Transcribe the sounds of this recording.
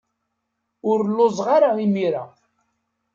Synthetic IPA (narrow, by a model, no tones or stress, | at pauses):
ʊɾlːozˤʁaɾaimiɾa̰